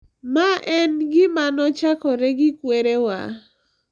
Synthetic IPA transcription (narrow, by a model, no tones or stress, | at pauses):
maʔɛnɡɪmanɔt͡ʃakɔɾeɡɪkweɾewa̰